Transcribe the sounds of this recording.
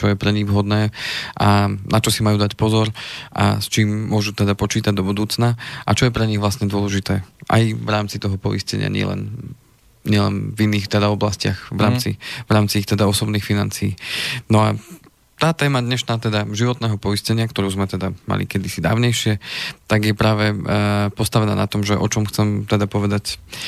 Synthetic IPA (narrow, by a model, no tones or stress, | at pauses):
t͡ʃɔjɛpɾɛɲiɣvɦɔd̪nɛːʔanat͡ʃɔsimajuːd̪acpɔzɔɾʔa̰st͡ʃiːmːʊɔʒut̪ɛd̪apɔt͡ʃiːt̪aɟd̪ɔbud̪uːt͡snaʔat͡ʃɔjɛpɾɛɲiɣʋlasɲɛd̪ʊɔlɛʒit̪ɛːʔa̰jvɾaːmt͡sit̪ɔɦɔpɔ̰iscɛ̰ɲɪa̰ɲɪɛ̰lɛ̰n | ɲɪɛlɛ̰nvinːiːxt̪ɛd̪aɔblascɪaɣʋɾaːmt͡sḭvɾaːmt͡siixt̪ɛd̪aɔsɔbniːxfinant͡siːnɔa | t̪aːt̪ɛːmad̪ɲɛʃnaːt̪ɛd̪aʒiʋɔt̪nɛːɦɔpɔiscɛɲɪakt̪ɔɾuːzmɛt̪ɛd̪ama̰lḭkɛd̪isid̪a̰ːʊɲɛjʃɪɛt̪aɡjɛpɾaːʋɛpɔst̪aʋɛna̰ːna̰t̪ɔmʒɛʔɔt͡ʃɔmxt͡sɛmt̪ɛd̪apɔʋɛd̪ac